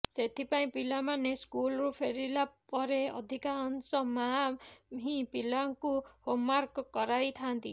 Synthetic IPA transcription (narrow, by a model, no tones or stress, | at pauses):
set̪ʰipaĩpilamaneskulɾupʰeɾilapɔɾeɔ̰d̪ʱikaɔnsɔma | ɦĩpilaŋkuhomːaɾkɔkɔɾajt̪ʰant̪ḭ